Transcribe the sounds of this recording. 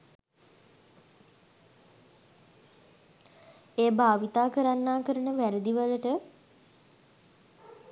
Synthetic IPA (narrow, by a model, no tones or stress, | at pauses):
eːbʱaːʋit̪aːkəɾanːaːkəɾənəʋæɾəd̪iʋaləʈə